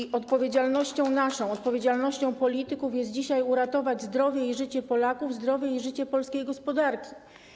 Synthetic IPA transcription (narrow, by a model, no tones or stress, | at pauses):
ɔt̪̚pɔvʲjed͡ʑalnɔɕt͡ɕɔ̃w̃naʂɔ̃w̃ɔt̪̚pɔvʲjed͡ʑalnɔɕt͡ɕɔ̃w̃pɔlʲit̪ɘkufjɛst̪̚d͡ʑiɕajuɾat̪ɔvad͡ʑzd̪ɾɔvʲjɛiʐɘt͡ɕɛpɔlakuvzd̪ɾɔvʲjɛiʐɘt͡ɕɛpɔlskʲejɡɔspɔd̪aɾkʲi̥